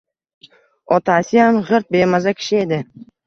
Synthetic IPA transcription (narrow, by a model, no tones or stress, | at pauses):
ɒt̪ʰasɪjamʁɨɾt̪̚be̞mazakʲʰɪ̥ʃɪe̞d̪ɪ